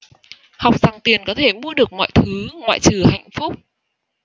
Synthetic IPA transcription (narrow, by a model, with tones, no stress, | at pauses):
ha˨˩wk͡p̚za˨˩ŋt̪i˨˩ənkɔ˨˦t̪ʰe˧˩mṵ˧˥əɗɨ˨˩ək̚mɔ̰˧˨jt̪ʰɨ˨˦ŋwa̰ː˧˨jt͡ɕɨ˨˩ha̰˧˨jŋ̟fʊ˦˥k͡p̚